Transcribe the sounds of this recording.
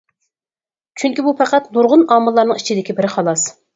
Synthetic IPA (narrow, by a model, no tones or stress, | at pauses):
t͡ʃʰyŋkʲibupæqæt̪nuɾʁʊnɑːmɨlˠːɑɾnɨŋit͡ʃʰid̪ɪkʲibɪɾɪχɑlˠɑs